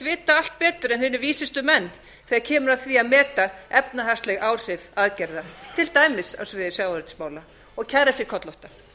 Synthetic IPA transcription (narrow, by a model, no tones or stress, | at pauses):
vɪːt̪aal̥t̪̚pɛːt̪ʏɾɛnhʏnʏɾviːsɪst̪ʏmɛnː | θɛɣaɾcʰɛːmʏɾaθviaðmɛːt̪aɛpnaɦast̪lɛɣaːwr̥ɪvaðcɛɾðat̪ʰɪlt̪aːjmɪsa̰svɪːðɪsjaːwaɾɪt̪ɪ̥smaːwla | ɔɣcʰaðɾasjɛkʰɔt̪lɔht̪a